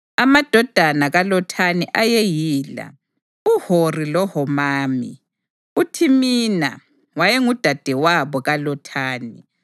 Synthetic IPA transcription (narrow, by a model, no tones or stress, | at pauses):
amad̥ʱɔd̥ʱanaɣalɔtʰaniʔajejiːla̰ | uhorilɔhɔmaːmḭ | utʰimina̰ | wajɛŋud̥ʱad̥ʱɛwaβɔɣalɔtʰaːni